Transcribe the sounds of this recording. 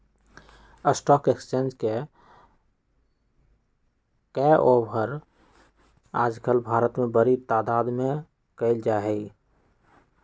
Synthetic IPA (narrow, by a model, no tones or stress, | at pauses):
əsʈɔkekst͡ʃẽnd͡ʒke | kɛʔobʱəɾ | a̰ːd͡ʒkəlbʱaːɾət̪mẽbəɾit̪aːd̪aːd̪mẽ | kəɪld͡ʒaɦɛi